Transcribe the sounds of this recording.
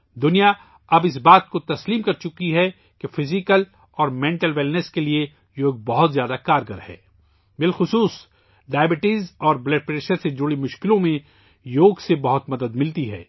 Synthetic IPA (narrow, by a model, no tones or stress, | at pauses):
d̪ʊnija | ɐbɪs̬baːt̪̚kot̪ɐsliːmkɐɾt͡ʃʊkiɦɛ | kefɪzɪkəl | ɔːɾmɛ̃ːɳʈəlʋɛlnəskelie | joːɡ̚bɐɦʊt̪zjaːd̪akaːɾɡəɾhɛ̰ː | bɪlxʊsuːs | ɖaːjbɪʈiːzɔːɾblɛːʈ̚pɾeːʃəɾsed͡ʒʊɽimʊʃkɪlõmẽ | joːɡsebɐɦʊt̪mɐd̪əd̪mɪlt̪iɦɛ̰ː